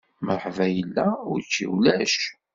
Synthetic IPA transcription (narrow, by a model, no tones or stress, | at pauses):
məɾˤħvæjəlːæʊɾt͡ʃːḭwlæʃ